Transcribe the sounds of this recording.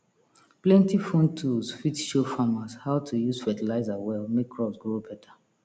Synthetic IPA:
plɛ̃ntifõntʰusfitʃofamashaʊtʰujuzfɛtilaɪzawɛlmekʰːɹɔpsɡɹobɛtʰa

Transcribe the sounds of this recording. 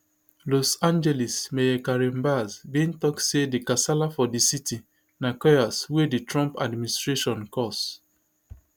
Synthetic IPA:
lɔsãnd͡ʒɛlismejɛkaɹĩmbasbĩntɔksedikasalafɔdisiti | nakɔjaswɛditɹɔ̃mpa̰dmĩnistɹeʃɔ̃nkɔs

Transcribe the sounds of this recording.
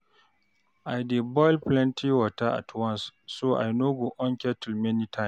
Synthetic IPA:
ʔajdebɔlplɛntʰiwɔtaʔa̰twɐnsːoʔa̰jnoɡuʔɔŋkʲɛtʊmenitʰa

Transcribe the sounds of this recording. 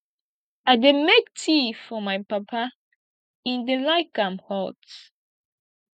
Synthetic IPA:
ademek̚tʰifɔmaɪpapʰa | ĩndəlaɪkãmhɔt

